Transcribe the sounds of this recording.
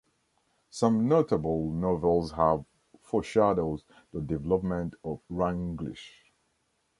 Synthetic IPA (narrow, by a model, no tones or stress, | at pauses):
sʌ̃mnotəbəlˠnovɛlˠzhəv | fɔʃadoʊz | dədɪvɛləpmə̃ntɔvɹãŋɡlḭʃ